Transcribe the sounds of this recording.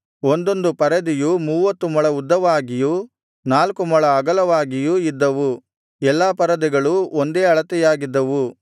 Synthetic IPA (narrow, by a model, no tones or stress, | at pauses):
ond̪o̞nd̪upɐɾɐd̪ijumuːʋɐt̪ːumɐɭɐud̪ːɐʋaːɡiju | naːlkumɐɭɐːɡɐlɐʋaːɡijuid̪ːɐʋu | ɛlːaːpɐɾɐd̪iɡɐɭuond̪e̞ːɐɭɐt̪ɛjaːɡid̪ːɐʋu